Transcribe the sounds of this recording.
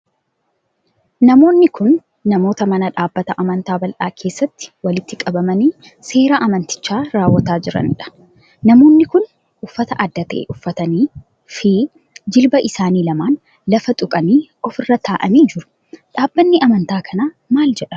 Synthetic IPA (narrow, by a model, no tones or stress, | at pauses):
nɐmo̞ːnːɪkʰʊnː | ɐmo̞ːt̪ɐmɐnɐᶑaːbːɐt̪ɐʔɐmɐnt̪aːbɐlʔaːkʰe̞ːsːɐt̪ːɪ̥wɐlɪt̪ːɪkʼɐbɐmɐniː | se̞ːɾaːʔɐmɐnt̪ɪ̥t͡ʃːaːɾaːwːɐt̪aːd͡ʒɪɾɐ̰nᶑɐ̥ | nɐmo̞ːnːɪkʊn | ʔʊfːɐt̪ɐʔɐd̪ːɐt̪ɐʔḛːʔʊfːɐt̪ɐniː | fi | d͡ʒɪlbɐʔɪsaːniːlɐmaːn | lɐfɐt̪ʼʊkʼɐniːɔfɪrːɐt̪ʰaːʔɐmiːd͡ʒɪɾʊ̥ | ᶑaːbːɐnːɪɐmɐnt̪aːkʰɐna | maːld͡ʒɛᶑɐ̥